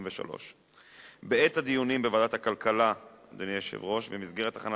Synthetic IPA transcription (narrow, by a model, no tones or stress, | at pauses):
mveʃa̰lo̰ʃ | beet̪had̪ijunimbevad̪at̪hakalkalad̪enieʃḛvʁo̞ʃvemizɡe̞ʁet̪aχana